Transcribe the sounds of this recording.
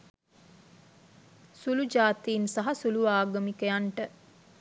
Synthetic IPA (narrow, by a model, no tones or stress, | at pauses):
sulud͡ʒaːt̪iːnsaɦɐsuluʋaːɡəmikəjaɳʈə